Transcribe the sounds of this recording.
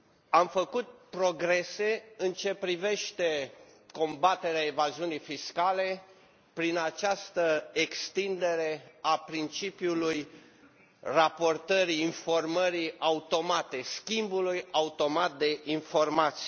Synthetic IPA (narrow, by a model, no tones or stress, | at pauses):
amfəkut̪̚pɾo̞ɡɾe̞se̞ɨnt͡ʃe̞pɾive̞ʃt̪e̞ko̞mbat̪e̞ɾeaevaziunijfiskale̞ | pɾinat͡ʃast̪əekst̪ind̪e̞ɾe̞apɾint͡ʃipjuluj | rapo̞rt̪əɾiːnfo̞rməɾiaut̪o̞mat̪e̞skʲimbulujaut̪o̞mat̪̚d̪e̞ʔinfo̞rmat̪si̥